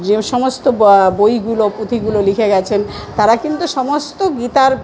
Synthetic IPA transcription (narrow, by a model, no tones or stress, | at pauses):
d͡ʑeʃɔmost̪obojɡulopɾut̪ʰiɡulolikʰeɡɛt͡ɕʰent̪aɾakint̪uʃɔmost̪oɡit̪aɾ